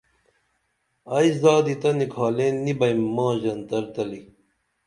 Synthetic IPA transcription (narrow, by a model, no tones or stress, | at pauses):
ɐisd̪aːd̪it̪ɐnikʰaːlẽːnːibɐjmːɑ̃ːʑɐnt̪ɐɾt̪ɐli